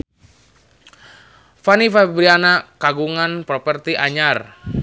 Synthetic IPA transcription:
fanifabɾianakaɡuŋanpɾɔpɛrt̪iʔaɲar

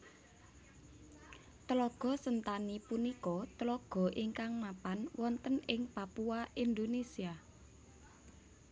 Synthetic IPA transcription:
t̪əlɔɡ̥ɔ̤sənt̪anipunikɔt̪əlɔɡ̥ɔ̤ʔiŋkaŋnapanwɔnt̪ənɪŋpapuaʔind̪onesia

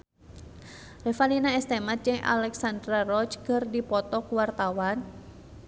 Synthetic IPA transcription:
rɛfalinaɛst̪emat̪̚d͡ʒɨŋʔa̰lɛksandɾarɔt͡ʃkərdipɔt̪ɔkuwart̪awan

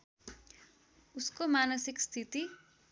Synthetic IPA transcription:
uskomanʌsikst̪ʰit̪i

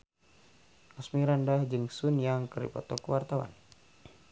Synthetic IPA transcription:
ʔasmiɾandahd͡ʒɨŋsunjaŋkəɾḭpɔ̰t̪ɔkəwart̪awa̰n

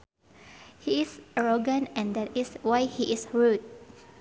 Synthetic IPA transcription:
hiɪsʔaɹoɡə̃nɛ̃ndɛtiswajhiʔisɹud̚

